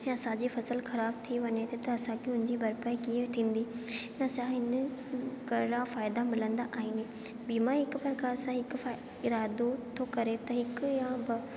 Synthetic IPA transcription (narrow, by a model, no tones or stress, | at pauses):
ɛ̃ɐsãd͡ʑifɐsəlxɐɾaːbt̪ʰiʋɐɲet̪ʰet̪ɐɐsãkeʊnɪ̃ɲd͡ʑibɐɾpaikiet̪ʰĩːnd̪iː | ɛ̃ɐsãɦɪn | kɐɾɾãfaːɪd̪amɪlə̃nd̪aʔaːiːne | biːmãɦɪkpɾɐkaːɾsãɦɪkfa | ɪɾaːd̪ot̪ʰokɐɾet̪ɐɦɪkjãbɪ